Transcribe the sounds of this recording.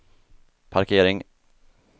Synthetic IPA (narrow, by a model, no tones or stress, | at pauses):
pʰaɾkʰeːɾɪŋ